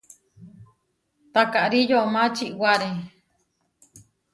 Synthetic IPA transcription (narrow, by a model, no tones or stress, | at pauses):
t̪akaʔɾijomãt͡ʃiʔwaɾe